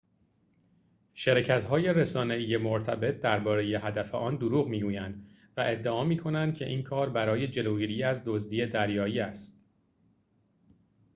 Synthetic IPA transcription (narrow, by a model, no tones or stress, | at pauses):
ʃeɾecʰæt̪hɒːje̞ɾesɒːne̞iːje̞moɾt̪ʰæbe̞t̪̚d̪æɾbɒːɾe̞je̞ɦæd̪æfḛʔɒːnd̪oɾuːɣmiːɡuːjænd̪̥ | væʔe̞d̪ːeɒːmiːkʰo̞nænd̪̚cʲʰe̞̰ʔiːnkʰɒːɾbæɾɒːje̞d͡ʒe̞loːɡiɾiːæzd̪ozd̪iːe̞d̪æɾjɒːjiːæst̪̚